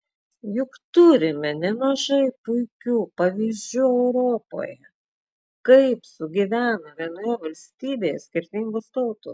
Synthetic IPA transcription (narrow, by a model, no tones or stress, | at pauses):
jʊkt̪ʊɾʲɪmʲɛnʲɛmɐʒɐɪpʊɪkʲuːpɐʋʲiːzʲd͡ʒʲuːɛʊɾoːpo̰ːjɛ | kɐɪpsʊɡʲɪʋʲæːnɐʋʲiɛnoːjɛʋɐlʲsʲt̪ʲiːbʲeːjɛsʲkʲɪɾʲt̪ʲɪŋɡʊst̪ɐʊt̪ʊ